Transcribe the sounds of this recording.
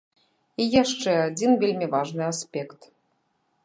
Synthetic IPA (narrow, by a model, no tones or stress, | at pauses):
ijaʂt͡ʂɛad͡zʲinvʲelʲmʲivaʐnɨasʲpʲɛkt̪